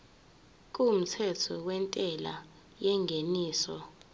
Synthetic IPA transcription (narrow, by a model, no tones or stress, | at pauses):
k̬ʼum̩tʰɛtʰɔwɛntʼɛla̰ | jɛŋɡʱeniːsɔ